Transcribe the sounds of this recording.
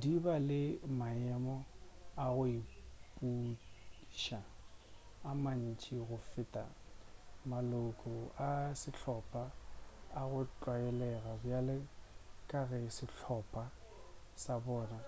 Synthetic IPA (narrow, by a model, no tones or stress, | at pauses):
dibalɪmaɛmɔaɣʊipʼu | ʃa | aman̩t͡ʃʼiɣʊfɪtʼa̰ | malʊkʼɔasɪɬʰɔpʼaː | ɣʊt͡ɬʼwaɛlɛɣabjalɪkʼaɣɛsɪɬʰɔpʼa | sabɔːna